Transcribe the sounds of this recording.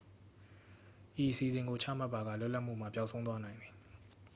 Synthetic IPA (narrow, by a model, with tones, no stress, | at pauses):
ʔi˨ʔəsi˨zɪ̃˨ŋɡo˨t͡ɕʰä̰˦˨ma˦pːa˨ɡa̰˦˨lʊ˦ʔla˦ʔmṵ˦˨m̥a˦˨pja˦ʊʔsʰõ˦ʊ̃t̪wa˦nã˨ɪ̃nd̪ði˨